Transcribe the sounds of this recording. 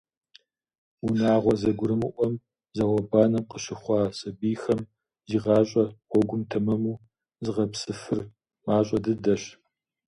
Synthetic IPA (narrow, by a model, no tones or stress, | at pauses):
unaːʁʷɔzɐɡʷʊɾɨmɨʔʷɔm | zɐwɐbaːnɐmqəɕɪχʷɑːɕʼɐbiːxɐm | ziːʁɑːɕʼɐɔɡʷʊmtʰɐmɐmuː | zɨʁɐpsɨfɨr | maːɕʼɐdɨdɐɕ